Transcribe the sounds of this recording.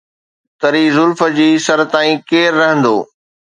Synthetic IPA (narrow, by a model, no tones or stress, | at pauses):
t̪ɐɾiːzʊlfə̆d͡ʑiːsɐɾt̪aːĩkeːɾːɐɦə̃nd̪o̰ː